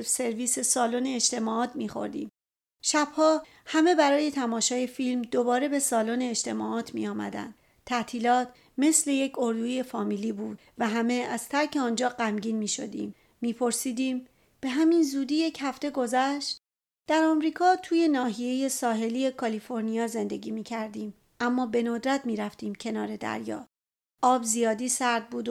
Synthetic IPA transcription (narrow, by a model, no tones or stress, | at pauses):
se̞ɾviːse̞sɒːloneːd͡ʒt̪e̞mɒːɒːt̪ʰmiːxo̞̰ɾd̪ḭːm | ʃæb̥hɒː | hæme̞bæɾɒːje̞t̪ʰæmɒːʃɒːje̞filmd̪o̞bɒːɾe̞be̞sɒːloneːd͡ʒt̪ʰe̞mɒːʔɒːt̪ʰmḭjɒːmæ̰d̪æ̰nd̪ | t̪ʰːæt̪ʰiːlɒːt̪ | me̞sle̞je̞cʰo̞ɾd̪uije̞fɒːmiːliːbuːd̪̥ | væɦæme̞æz̥t̪ʰæɾcʰe̞ɒːnd͡ʒɒːɡæmɟiːnmiːʃo̞̰d̪ḭːmː | iːpʰo̞ɾsiːd̪iːm | b̥e̞ɦæminzuːd̪iːje̞cʰhæft̪e̞ɡo̞zæʃt̪ | d̪̥æɾɒmɾiːkʰɒːt̪ʰuːje̞nɒːɦije̞je̞sɒːɦe̞liːe̞kʰɒlifo̞ɾnijɒːze̞nd̪e̞ɡiːmiːcʰæɾd̪iːm | ʔæmːɒːbe̞nod̪ɾæt̪miːɾæft̪iːmcʰenɒːɾe̞d̪æ̰ɾjɒ̰ː | ɒːbzijɒːd̪iːsæɾd̪̚buːd̪